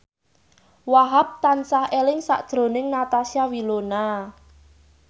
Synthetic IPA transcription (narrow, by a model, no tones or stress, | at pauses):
waɦap̚t̪ansahelɪŋsa̰ʔd̥ʒ̥ɾo̤nɪŋnat̪asiawilona